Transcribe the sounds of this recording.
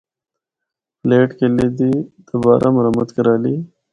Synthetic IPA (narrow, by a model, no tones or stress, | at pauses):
pleːʈkeled̪id̪̥əbɑːɾʔamʊɾamat̪kəɾɑːli